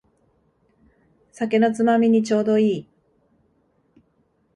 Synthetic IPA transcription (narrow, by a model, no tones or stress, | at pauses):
sake̞no̞t͡sɨmamʲiɲ̟it͡ɕo̞ːd̪o̞iː